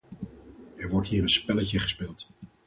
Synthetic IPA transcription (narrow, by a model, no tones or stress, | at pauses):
ɛɹʋɔɹtɦiːɾənspɛləcəχə̥spɪːlˠt